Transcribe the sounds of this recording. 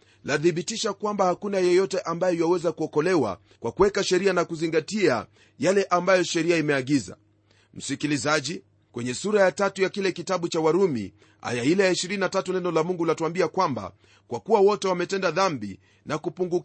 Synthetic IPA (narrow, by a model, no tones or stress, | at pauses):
laθiɓitiʃakwambahakunajɔjɔtɛʔambajɔjwawɛzakuɔkɔlɛwa̰ | kwakuwɛkaʃɛɾianakuziŋɡatia̰ | jalɛʔambajɔʃɛɾiaimɛaɠiza̰ | m̩sikilizaʄi | kwɛɲɛsuɾajatatujakilɛkitaɓut͡ʃawaɾumḭ | ha̰jailɛjaiʃiɾininatatunɛnɔlamuŋɡulatuambiakwamba̰ | kwakuwawɔtɛwamɛtɛndaðambi | nakupuŋɡuk